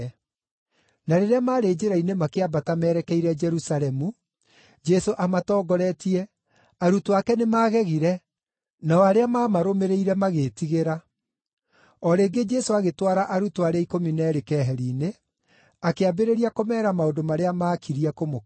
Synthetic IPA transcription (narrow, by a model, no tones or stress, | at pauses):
naɾeɾeamaːɾeːd͡ʒeɾainemakeabatamɛːɾɛkɛiɾɛd͡ʒɛɾusalɛmu | d͡ʒɛsoʔamatɔːɡɔɾɛtiɛ | aɾutoakɛnemaːɣɛɣiɾɛ | naɔaɾeamaːmaɾomeɾeiɾɛmaɣeːtiɣeɾa | ɔɾeːɡed͡ʒɛsoaɣetwaɾaʔaɾutoaɾeaikominɛːɾekɛːɦɛɾiːne | akeabeɾeɾiakomɛɾamaondomaɾeamaːkʰiɾiakomo